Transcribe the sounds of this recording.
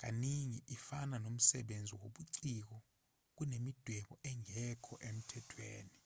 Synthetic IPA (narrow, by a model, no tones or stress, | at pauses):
k̬ʼaniŋiʔifananom̩sɛɓend͡zʱiwoɓuǀik̬ɔ | k̬unemid̥ʱwɛɓɔɛŋʱɛkʰɔʔem̩tʰɛtʰwḛːni